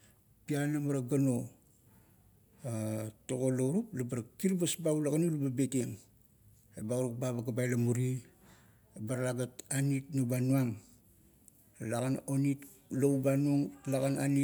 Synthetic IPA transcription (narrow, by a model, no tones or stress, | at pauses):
pianamaɾaɡano̞ | atoɡolouɾuplabaɾakiɾbasbaulaɡanilubabeteŋ | ebauɾuk̚babaɡabajlamuɾi | ebaɾalaɡatanitnobanuaŋ | laɡanonit | lowbanuŋlaɡana̰ni